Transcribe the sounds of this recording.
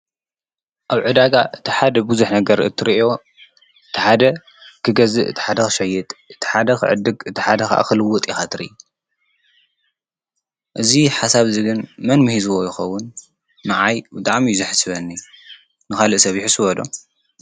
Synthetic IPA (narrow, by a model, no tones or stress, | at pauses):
ʔaβʕɨd̪aɡaʔɨt̪ʰi̥ħad̪ɐbuzuħnɐɡɐɾɨ̰t̪ʰːɨɾiʔo̞ | ʔɨt̪ʰiħad̪ɐ | kʰɨɡɐzɨʔɨt̪ʰi̥ħad̪ɐxɨʃɐjːɛt̪ʼɨt̪ʰi̥ħad̪ɐkʰɨ̰ʕɨ̰d̪ːɨɡɨt̪ʰiħad̪ɐxa̰ʔa̰xɨlɨwːʊt̪ʼixat̪ʰɨɾḭʔu | ʔɨziħasaβziɡɨnmɐnmɨhizuwojɪxɐwːʊn | maʕajbɨt̪ʼaʕmijzɨħɨ̥sβɐnːi | nɨkalɨʔsɐβjɪħɨsɨβɐd̪o̞̰